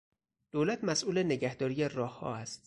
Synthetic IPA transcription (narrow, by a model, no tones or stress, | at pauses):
d̪̥oːlæt̪ʰmæsʔuːleneɟæhd̪ɒːɾijerɒːhhɒ̰ːæst̪